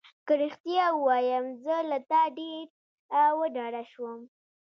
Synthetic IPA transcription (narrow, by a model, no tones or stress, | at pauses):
kəɾixt̪jɑəwɑjəmzəlat̪ɑɖeɾ | wəɖɑɽaʃwəm